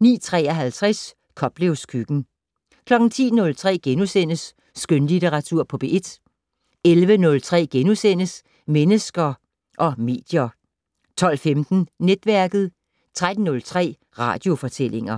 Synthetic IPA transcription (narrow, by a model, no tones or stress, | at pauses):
nḭːt͡sʰʁɛ̰ːɐɦælt͡sʰʁas | kʰɒ̽b̥le̝ʊskʰyɡ̥n̩ | kʰlɒ̽ɡ̥n̩t͡sʰḭːnɔ̽lt͡sʰʁɛ̰ːɡ̥enusenəsː | ɡ̥ønlit͡sʰeʁɑ̈t͡sʰuɐ̰pʰɒ̽b̥e̝ʔe̝d̥ | elʋənɔ̽lt͡sʰʁɛ̰ːɡ̥enusen̰əs | menəsɡ̥ɐ | ʔɒ̽me̝̰ːd̥jɐ | t͡sʰɒ̽l̰femd̥n̩ned̥ʋæɐɡ̥ð̞̩ˠ | t͡sʰʁad̥n̩nɔ̽lt͡sʰʁɛ̰ː | ʁɑ̰̈ːd̥jo̝fɒ̽t͡sʰele̝ŋɐ